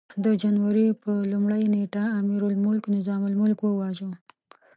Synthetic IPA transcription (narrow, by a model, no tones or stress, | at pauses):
d̪əd͡ʒanwaɾipəlumɽajneʈaːmiɾʊlmʊlknɪzɑmʊlmʊlkwəwɑʒu